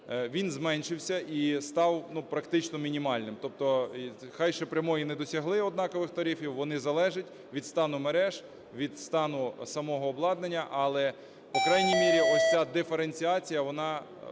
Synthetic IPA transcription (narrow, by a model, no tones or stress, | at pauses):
ʋʲinzmɛnʲʃɪwsʲɐʔist̪ɑwnupɾɐkt̪ɪt͡ʃnɔmʲinʲimɑlʲnɪmt̪ɔp̚t̪ɔxɑjʃɛpɾʲɐmɔjinɛd̪ɔsʲɐɦlˠɪɔd̪nɑkɔʋɪxt̪ɐɾʲifʲiwʋɔnɪzɐlˠɛʒɪtʲ | ʋʲid̪st̪ɑnʊmeɾɛʒ | ʋʲid̪st̪ɑnʊsɐmɔɦɔːblˠɑd̪nenʲːɐʔɐlˠɛ | pɔkɾɑjnʲijmʲiɾʲiɔsʲt͡sʲad̪ɪfeɾenʲt͡sʲiɑt͡sʲijɐʋɔnɑ